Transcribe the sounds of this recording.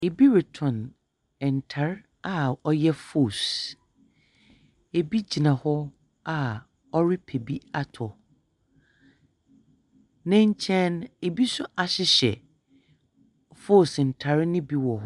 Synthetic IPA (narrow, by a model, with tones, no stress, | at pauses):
e˨bi˦ɾɪ˨tʰɔ̃˨n | ɛ˨n̩˨tʰa˨ɾ | a˨ɔ˦jɛ˦fo˦˨s | e˨bi˦d͡ʑi˨nã˨hɔ˦ | a˨ | ɔ˦ɾi˦pʰe˨bi˦a˦˨tʰɔ˨ | nɪ̃˦ɲ˦t͡ɕʰɛ̃˦ne˨bi˦sʊ˦ʔa˨ɕɪ˦ɕɛ̰˨ | fo˦˨sn̩˨tʰa˨ɾɪ˦nɪ̃˦bi˦wɔ˨ɦ